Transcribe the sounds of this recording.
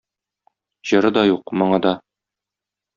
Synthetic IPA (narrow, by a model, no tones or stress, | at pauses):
ʑɤ̆ɾɤd̪ɒjuqmŏɴɑd̪ɒ